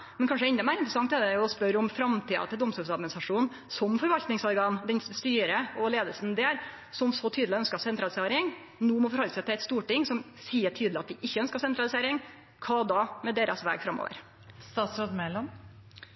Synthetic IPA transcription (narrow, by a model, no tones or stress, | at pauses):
mɛnkʰɑnʂəɛnd̪ɑmæːɾɪnt̪ɾəsɑŋt̪ɛd̪ɛɔspœɾɔmfɾɑmt̪ʰiːɑ̰t̪ʰɪld̪ɔmst̪uːlsɑd̪mɪnɪsɾɑʂuːn | sɔmfɔɾʋɑlt̪nɪŋsɔɾɡɑnd̪ɛnst̪yːɾəɔleːd̪əlsn̩d̪eːɾ | sɔmsɔt̪ʰyːd̪lɪœnskɑsɛnt̪ɾɑlɪseːɾɪŋ | noːmɔfɔɾhɔlːəsæɪt̪ʰɪlɛt̪st̪uːʈɪŋːsɔm | siːəʈʰyːd̪l̩ɪɑt̪̚d̪ɪʔɪçːəœnskɑsɛnt̪ɾɑlˠɪseːɾɪŋ | kʰɑːd̪ɑmɛd̪eːɾɑsʋæ̰ːɡfɾɑmːo̰ːʋə̰ɾ | st̪ɑːt̪sɾoːd̪mɛlɔm